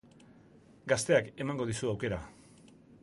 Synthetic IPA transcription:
ɡast̪e̞ake̞maŋɡo̞ð̞isuawke̞ɾa

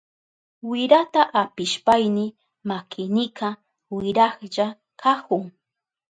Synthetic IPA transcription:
wɪɾat̪aʔapɪʃpajnɪ | makʰɪnɪka | wɪɾɑχʎa | kʰakʊŋ

